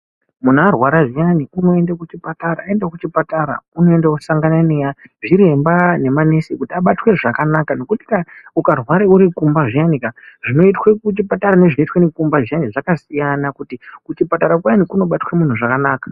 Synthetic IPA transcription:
mun̤arwaɾaʐijaniuno̞e̞ndakut͡ʃipataɾaːe̞ndakut͡ʃipataɾa̰uno̞e̞ndakusaŋɡananejaʐiɾe̞mbane̞mane̞sikutiaɓatwe̞ʐakanakano̞kuti̥kaukarwaɾeuɾikumbaʐianikaʐino̞itwekut͡ʃipataɾane̞ʐinoitwenikumbaʐianiʐakasijanakutikut͡ʃipataɾakwajanikuno̞ɓatwemun̤uʐakanaːkḁ

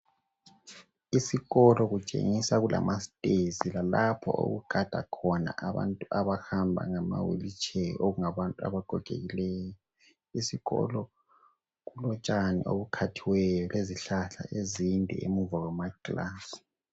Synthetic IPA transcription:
isiɣɔlɔɣut͡ʃʼḛŋisaɣulʔa̰mʔastʼezilalapʰɔ̰o̰ɣuɡ̥ʱad̥ʱakʰɔna̰ʔaβa̰ntʼuaβahambʱa̰ŋama̰wḭlit͡ʃʰʼɛʔoɣuŋaβantʼua̰βaɡ̥ʱɔɡ̥ʱḛɣilɛːjɔ | isiɣɔ̰lɔ | ɣulɔt͡ʃʼaniʔoβukʰatʰiwɛjɔleziɬaɬa̰ʔezindʱɛ̰emuvawamaklaːsi̥

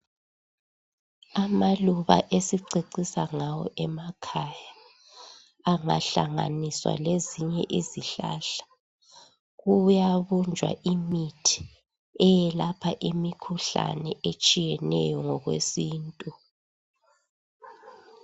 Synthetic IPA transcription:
amaluβa̰ʔesiǀiǀisaŋawɔ̰ʔɛmakʰaja | ŋaɬa̰ŋa̰niswa̰leziɲɛ̰ʔiziɬa̰ɬḁ | ɣujaβund͡ʒʱwa̰ʔimitʰi̥ | ɛjɛlapʰaʔimikʰuɬa̰nɛet͡ʃʼijɛnɛ̰jɔŋɔɣwḛsiːntʼu

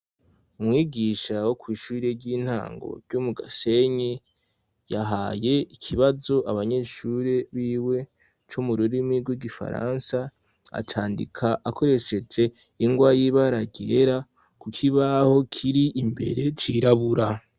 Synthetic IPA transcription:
umŋiːɡiʃawokwiːʃuːɾeɾɟiːn̥ha̰ːŋɡo̞̰ɾɟ̥umuɡase̞ɲi | jaɦaje̞ikʰiβazo̞ʔaβaɲe̞ʃuɾeβiːwe̞ | t͡ʃumuɾuɾimŋiɡwiɡifa̰ɾa̰nsa | a̰tʰaːndḭkʰaʔakʰo̞ɾe̞ʃe̞d͡ʒe̞ | iŋɡwajiβaɾaɡeɾa | kukʰiβaho̞kʰiɾiʔimbe̞̰ɾe̞t͡ʃiɾaβuɾa

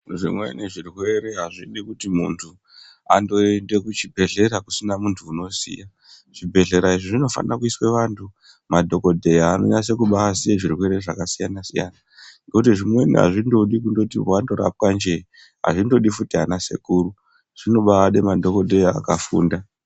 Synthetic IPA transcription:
ʐḭmwḛneʐirwe̞ɾe̞ɦaʐiɗikutimuntʰu | ando̞ende̞kut͡ʃibʱe̞ɮe̞ɾakusinamuntʰuːno̞sḭja | ʐ̥ibʱe̞ɮe̞ɾaiʐiʐino̞fa̰nakuiswe̞ʋantʰu | madʱo̞ko̞dʱe̞jaːno̰ɲas̬e̞kuɓaasijeʐirwe̞ɾe̞ʐakasijanasija̰na | ŋɡekutiʐimwe̞niɦa̰ʐindo̞ɗikundo̞tiwando̞ɾa̰p̚kand͡ʒe̞i | ɦa̰ʐindo̞ɗifutianase̞̰kuːru | ʐ̥ino̞ɓaaɗemadʱo̞ko̞dʱe̞jaːkafṵːnda

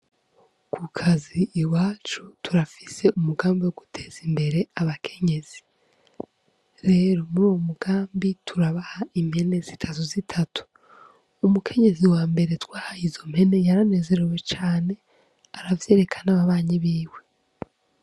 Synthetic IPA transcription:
kʰukʰaziːwaːt͡ʃutʰuɾafise̞ʔumuɡaːmbiwo̞ɡutʰe̞ːz̥imbe̞ɾe̞aβakʰe̞ɲe̞z̥i | ɾe̞ːɾo̞muɾuwomuɡ̥aːmbitʰuɾaβahaimhe̞ne̞zitʰatuzitʰatu̥ː | mukʰe̞ɲe̞ziwaːmbe̞ɾetwaːhaizo̞mhe̞ne̞jaɾane̞ːze̞ɾewe̞t͡ʃaːne̞ | aɾavjeːɾe̞kʰḁnaβaβaːɲiβiːwe̞

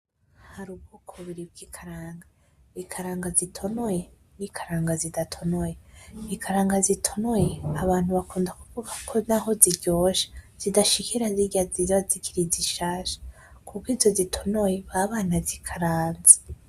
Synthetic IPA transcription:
haɾub̚ɡukʰoβiɾib̚ɡiːkʰaɾaːŋɡa | ikʰaɾaːŋɡazitʰo̞noje | nikʰaɾaːŋɡazidatʰo̞nojeikʰaɾaːŋɡazitʰo̞noje̞aβaːnhuβakuːndakuvuɡakʰo̞naɦo̞ziɟo̞ːʃḁz̥idaʃikiɾaziɡaziazikiɾiziʃaːʃḁ | kukiːzo̞zitʰo̞nojeβaβaːnazikʰaɾaːnze

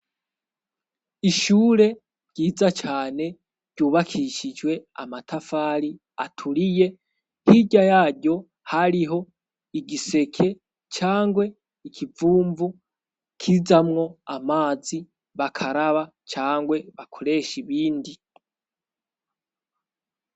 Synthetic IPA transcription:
iʃuːɾe̞ | ɟ̥iːzat͡ʃaːne̞ | ɾɟuːβakʰiʃid͡ʒwe̞a̰matʰafaːɾi | a̰tʰuɾije̞ | hiɟajaːɟo̞ | haɾiɦo̞ | iɡise̞kʰe̞ | t͡ʃaːŋɡwe̞ | ikʰivuːɱvu | kʰizamŋo̞amaːzi | βakʰaɾaβa | t͡ʃaːŋɡwe̞βakʰo̞ɾe̞ʃiβiːndi

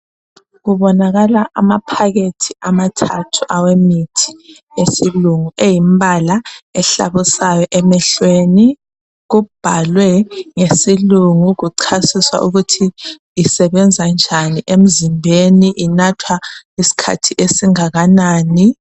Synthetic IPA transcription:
ɣuβɔnaɣalaʔamapʰaɣetʰiʔamatʰatʰu̥ʔawemitʰi̥ | esiluŋuʔejimbʱalaɛɬa̰βusajɛʔɛmɛɬweːni | ɣub̥ʱalwɛŋesiluŋuɣuǀʰasiswa̰ʔuɣutʰiː | sɛβɛnd͡zʱand͡ʒʱaniʔem̩zimbʱeniʔinatʰwaisi̥kʰa̰tʰiʔesiŋaɣanaːni

